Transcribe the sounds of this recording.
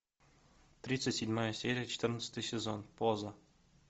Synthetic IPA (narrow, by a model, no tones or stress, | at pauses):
t̪ɾʲit̪sətʲsʲɪdʲmajəsʲeɾʲɪjət͡ɕɪ̥t̪ɨrnət̪sə̥t̪ɨjsʲezonpozə